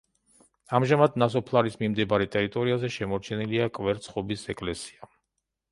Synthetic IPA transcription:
amʒamad̪nas̬ɔpʰlˠaɾismimd̪ɛbaɾɛt̪ʼɛɾit̪ʼɔɾiazɛʃɛmɔɾt͡ʃʰɛniliakʼvɛɾt̪sʰχɔbisɛkʼlɛsi̥a

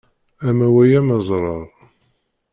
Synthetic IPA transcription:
æmæwæjæməzˤɾˤɑɾˤ

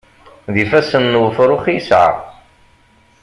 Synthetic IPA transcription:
ðifæsənːwəfɾˤʊχjsʕa̰

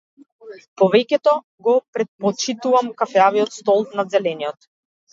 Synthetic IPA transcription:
pɔvɛkʲɛt̪ɔ | ɡɔpɾɛt̪̚pɔt͡ʃit̪uvamkafɛaviɔt̪st̪ɔlˠnazɛlɛnijɔt̪

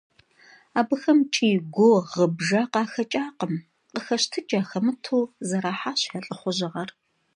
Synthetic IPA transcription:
aːbɨxɐmt͡ʃʼiːɡʷoʁəbʒɐqɑːxɐt͡ʃʼaːqəm | qəxɐʃtʰɨd͡ʒʼaːxɐmɨtʰoːzɐɾaːħaːɕħɐɬʼɨχʷʊʒɨʁɐr

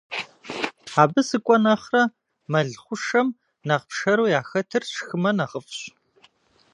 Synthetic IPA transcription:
aːbɨsɨkʷʼɔnɐχrɐ | mɐɮχʷʊʂɐm | nɐʁpʂɐɾuːjaːxɐtʰɨrʃxɨmɐnɐʁəfɕ

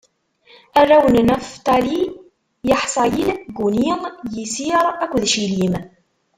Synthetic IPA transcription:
ærˤːæwənnæft̪ˤɑli | jɑħsˤɑjilɡuniəŋjisiəɾˤækʷːðʃilim

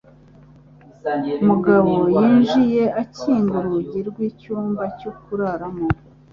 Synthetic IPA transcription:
umuɡaβo̞jiːnʒije̞aciːŋɡuɾuɟiɾɡwiːcuːmbacokuɾaɾamo

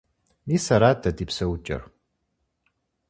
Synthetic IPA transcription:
niːsɐɾaːdʰɐdipsɐwt͡ʃʼɐ̰r

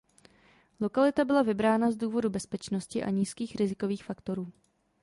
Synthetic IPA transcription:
lo̞kalɪt̪abɪlavɪbɾaːnazduːvo̞dubɛspɛt͡ʃno̞scɪʔa̰ɲiːskiːxɾɪzɪko̞viːxfakt̪o̞ɾuː

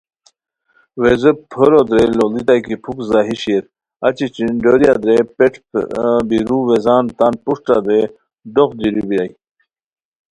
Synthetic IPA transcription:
wezəpʰəɾod̪ɾelolit̪akipʰukzaːɦiɕiɾ | at͡ɕit͡ɕinɖoɾjad̪ɾepeʈ͡ʂbiɾuwezaːnt̪aːnpuʂʈad̪ɾe | ɖoxd̪iɾibiɾaj

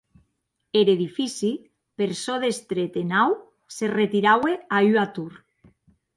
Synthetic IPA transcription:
eɾeðifisi | peɾsoðest̪ɾet̪enaw | seret̪iɾaweayat̪uɾ

